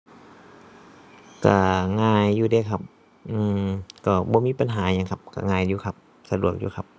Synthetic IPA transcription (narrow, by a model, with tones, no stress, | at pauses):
ka̰˧˩ŋaː˧˩jːuː˧deː˧˩kʰa˧˩p̚ | ʔɯː˧˩mkɔː˧˩bɔː˧˦miː˧˥˨pa˧nɦaː˩˦ɲa˧ŋkʰa˧p̚ka̰˧˩ŋaː˧˩jjuː˧kʰa˧˩p̚ | sa˧du˨˩ək̚jṵː˧˩kʰa˧p̚